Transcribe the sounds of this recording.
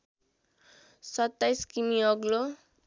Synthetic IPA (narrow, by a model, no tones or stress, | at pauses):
sʌt̪ːajskimiʌɡlo